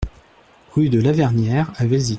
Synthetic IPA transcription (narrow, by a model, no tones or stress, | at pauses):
ʁyd̪əlavɛʁnjɛʁavɛzi